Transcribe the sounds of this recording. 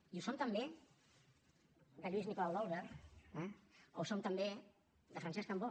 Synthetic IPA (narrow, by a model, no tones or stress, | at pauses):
iusomt̪əmbe | d̪əʎwiznikolalˠd̪olˠβeɾɛo̰wsomt̪əmbe | ðəfɾansɛskambo